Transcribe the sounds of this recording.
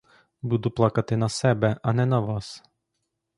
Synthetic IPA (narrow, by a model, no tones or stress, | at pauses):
buːd̪uplˠɐkɐt̪ʲɪnɐsʲɛbʲɛʔɐnʲɛnɐʋɑs